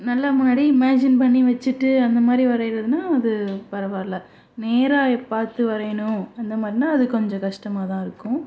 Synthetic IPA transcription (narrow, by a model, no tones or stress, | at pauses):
nɐlːamʊnːaːɽiɪmaːd͡ʒɪnpɐɳːiʋɐt͡ʃːɯʈːɯɐnd̪ɐmaːd̪ɾiʋɐɾɐɪɾɐðɯnaːɐðɯpɐɾɐʋaːɾlɐ | neːɾaːɛpaːɾt̪ːɯʋɐɾɐjɐnʊ̃ɐnd̪ɐmaːd̪ɾinaːɐðɯkɔɲd͡ʒɔ̃kɐʂʈɐmaːt̪ãːɪɾɯkːʊ̃